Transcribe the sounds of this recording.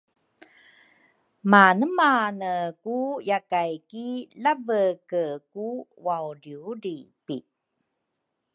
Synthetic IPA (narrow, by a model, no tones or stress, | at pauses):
manəmanəkujakajkilavəkəkuwawɾiuɾipi